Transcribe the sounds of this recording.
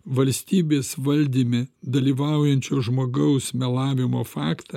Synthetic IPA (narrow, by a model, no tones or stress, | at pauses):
ʋɐlʲsʲt̪ʲiːbʲeːsʋɐlʲd̪ʲiːmʲɪd̪ɐlʲiːʋɑˑʊjɛnʲt͡ʃʲoːʒmoːɡɐʊsmʲɛlˠɑːʋʲɪmoːfɑːkt̪ɐ